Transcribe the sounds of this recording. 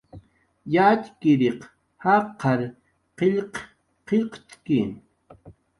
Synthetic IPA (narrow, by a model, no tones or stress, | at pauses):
jat͡ʃkɪɾeq | hɑqɑɾ | qeʎq | qeʎqt͡ʃkin